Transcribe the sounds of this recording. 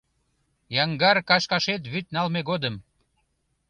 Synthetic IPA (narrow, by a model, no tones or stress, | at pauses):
jɑŋɡɑrkɑʃkɑʃet̪βyt̪̚nɑlmeɣod̪əm